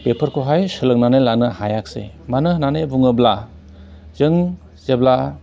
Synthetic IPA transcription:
pepʰəɾkʰoɦajsɯlɯŋnanelanɯhajak̚sḛ | manɯnanebuŋɯbla | z̥ɯŋ | z̥ebla

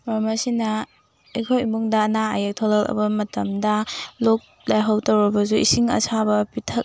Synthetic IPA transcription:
ɾɐmɐsinɐ | ejkʰojimuŋdɐːnaajɐk̚tʰɔlɐlɐ̰bɐmɐtɐmdɐlok̚ | lajɦawtɐwɾɐbɐzuḭsiŋɐ̰sʰabɐpitʰɐk̚

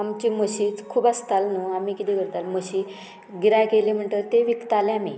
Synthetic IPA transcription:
amt͡ɕiməɕit͡skʰuːbast̪alnuamikit̪ĩkəɾt̪alməɕi | ɡiɾajkelem̤əɳt̪əɾt̪eʋikt̪aleami

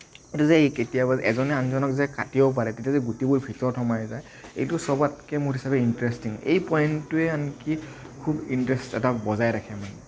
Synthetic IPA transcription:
etuzɛketijabazʔɛzɔnɛanzɔnɔkzɛkatiɔp̬aɹɛtetiazɛɡutibʊɹbʱitɔɹtʰɔmajzaj | ḛjtʊsɔbatkɛmʊɹɦisabɛintɹɛstiŋḛjpɔjntːʊɛanki | kʰubintɹɛstɛ̰tabɔzajɾakʰɛmanɛ

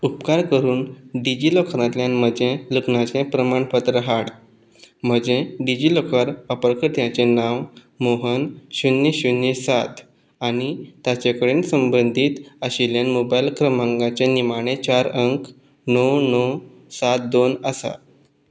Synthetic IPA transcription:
upkaɾkəɾuːnɖid͡ʑiːlɔkʰɾãt̪ljãnm̤əd͡ʑẽləknãt͡ɕẽpɾəmaɳpət̪ɾəɦaɽ | m̤əd͡ʑẽɖid͡ʑilɔkʰaɾəpɾəkəɾt̪jãt͡ɕẽnãw | moɦənɕunjeɕunesat̪ | aɽ̃it̪at͡ɕekəɽensəmbənd̪ʱiːt̪əɕiljanmobajlkɾəmãŋɡat͡ɕenimaɽ̃et͡ɕaɾəŋk | nɔnɔ | sat̪̚d̪onəsa̰

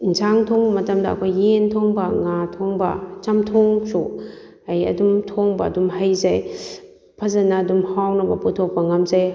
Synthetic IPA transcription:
n̩zʰaŋtʰɔŋbɐmɐtɐmdaɐ̰kʰojːentʰɔŋbɐŋatʰɔŋbɐt͡ʃamtʰɔŋsu | ajɐ̰dumtʰɔŋbadumhajzaj | pʰazanaːdumhawnɐbɐputʰɔk̚pɐŋamzaj

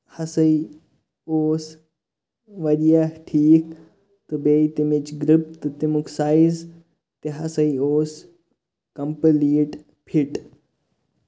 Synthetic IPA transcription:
hɐsɐi | oːs | ʋɐdijaʈʰiːk | t̪ubeːit̪imet͡ʃɡɾip̚t̪ɨt̪imukʰsaːiz | t̪eɦɐsɐioːs | kɐmpəliːʈ | pʰiʈ

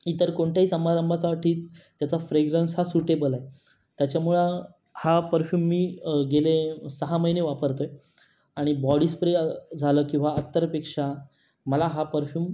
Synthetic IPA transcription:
it̪əɾkoɳʈ̪ʰjaɦiːsəmaɾəmbʱat͡saʋaʈʰiːt̪t̪ːjat͡safɾeɡɾensɦasuʈebəlae | t̪jat͡ɕjamuɭə | hapəɾfjuːmːiːɡelesəɦaməjneʋapəɾt̪əj | aɽ̃ibɔɽiːspɾed͡zʱaləːkĩw̃ʋaət̪ːəɾpekʂa | məlaɦapəɾfjuːm

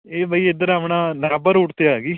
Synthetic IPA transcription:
eːbəːiːɪd̪əɾəpɳaːnaːbəɾʊʈt̪eaːɡiː

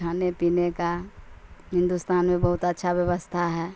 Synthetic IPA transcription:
aːnepiːneka | ɦɪ̃nd̪ust̪aːnmẽbəɦʊt̪ətːʃʰabjəʋəst̪ʰaɦɛː

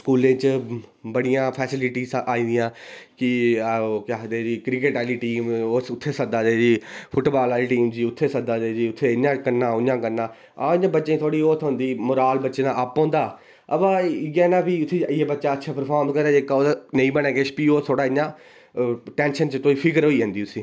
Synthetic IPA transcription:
skuːlẽːt͡ʃəbəɽɪjãːpʰɛːsɪlɪʈiːsaːĩːnd̪ɪjãːkɪ | kaːd̪eːd͡ʒiːkɾɪkeːʈaːliːʈiːmoːsʊt̪ʰːeːsəd̪aːd̪eːd͡ʒiːpʰʊʈːbaːlaːliːʈiːmd͡ʒiːʊt̪ʰːeːsəd̪aːd̪eːd͡ʒiːʊt̪ʰːeːɪɲːãːkəɾnaːʊnãːkəɾnaː | aɪɲãːbətːt͡ʃẽt̪ʰoːɽiːoːt̪ʰɦʊ̃nd̪iːmʊɾaːlbətːʃeːd̪aːʔapːõːnd̪aː | əbãːɡeːnaːpiːʊt̪ʰːeːɪjeːbətːʃaːətːʃʰaːpəɾpʰaːɾmkəɾaːeːkaoːnəiːbənɛːkeːʃpiːoːt̪ʰoːɽaːɪɲːãː | ʈɛ̃ːnʃənt͡ʃt̪oːiːpʰɪkəɾɦoːiːə̃ːnd̪iːʊsĩː

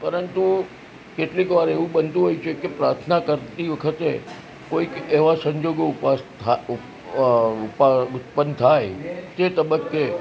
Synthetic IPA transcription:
pəɾənt̪u | keʈlikʋaɾeʋũɓənt̪ũɦojt͡ʃʰekepɾaɾt̪ʰnakəɾt̪iʋəkʰət̪e | koikeʋasə̃ɲd͡ʒoɡopas | ʊpʊt̪̚pənt̪ʰajt̪et̪əbəkːe

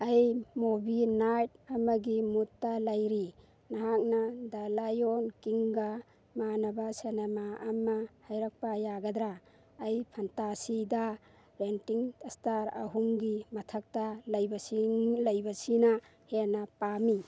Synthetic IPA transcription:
ɐjmobinajt̚ɐmɐɡimutːalajɾi | naɦak̚nadalajonkiŋɡa | manɐbasenemaʔɐmahajɾɐk̚pajaɡɐd̪ɾaː | jpʰantasida | ɾentiŋstaɾɐ̰ɦuŋɡimɐtʰɐk̚talɐjbɐsilɐjbɐsina | henɐpami

